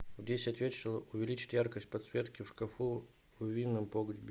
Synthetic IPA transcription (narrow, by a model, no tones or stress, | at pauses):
vdʲesʲɪɐt̪ʲvʲet̪ʂolˠəʔʊvʲɪlʲit͡ɕɪ̥t̪ʲjarkəsʲt̚ʲpɐt̪svʲet̪kʲɪfʂkɐfu | vvʲinːəmpoɡəd̪ʲbʲɪ